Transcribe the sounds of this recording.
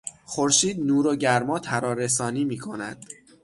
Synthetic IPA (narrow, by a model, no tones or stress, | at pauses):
xoɾʃiːd̪nuːɾoɟæɾmɒːt̪ʰæɾɒːɾes̬ɒːniːmiːkʰo̞næ̰d̪̥